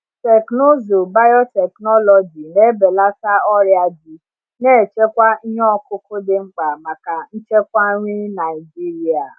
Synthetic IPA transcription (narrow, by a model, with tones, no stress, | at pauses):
tɛ˨kno˦zo˨ba˦jɔ˦tɛ˨knɔ˦lɔ˨d͡ʒi˨ne˦be˨la˦sa˦ɔ˦ɾja˨d͡ʒi˨ | ne˦˨t͡ʃe˦kʷa˦i˦ɲɔ˦ɔ˦kʊ˦ko˦de˦ŋ͡m̩˦k͡pa˨ma˨ka˨n̩˦t͡ʃe˦kʷa˦ɾĩ˦na˨i˨d͡ʒi˦ɾi˦a˨